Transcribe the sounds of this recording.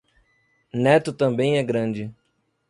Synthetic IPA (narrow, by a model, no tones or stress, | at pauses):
nɛt̪ʊt̪ɐ̃mbẽj̃ɛɡɾɐ̃d͡ʒɪ